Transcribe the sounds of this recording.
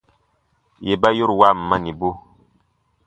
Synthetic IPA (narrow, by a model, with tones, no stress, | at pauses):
je˨ba˦jo˦ɾwa˦˨m̩˨ma˦ni˨bo˦